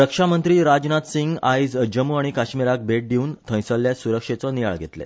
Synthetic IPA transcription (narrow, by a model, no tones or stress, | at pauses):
ɾəkʂamənt̪ɾiːɾad͡ʑnat̪siŋɡajd͡zd͡ʑəmuaɽ̃ikaɕmiɾak̚beʈ̚d̪iuːnt̪ʰə̃j̃səlːjasuɾəkʂet͡sɔnija̰ɭɡʱet̪lḛ